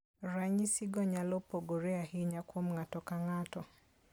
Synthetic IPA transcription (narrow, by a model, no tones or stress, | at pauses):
ɾaɲisiɡɔɲalɔpoɡoɾɛaɦiɲakwomŋatɔkaŋatɔ